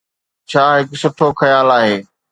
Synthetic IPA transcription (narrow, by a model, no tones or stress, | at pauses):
t͡ɕʰaːɦɪksʊʈʰoxɐjaːlaːɦeː